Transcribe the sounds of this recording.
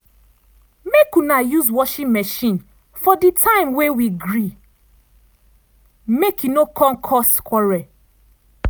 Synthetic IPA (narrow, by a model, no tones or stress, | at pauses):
mekunajuzwɔʃĩnmɛʃĩn | fɔditʰãɪ̃mwewiɡɹi | mekʰjunokʰɔ̃mkʰɔskwɔɹɛ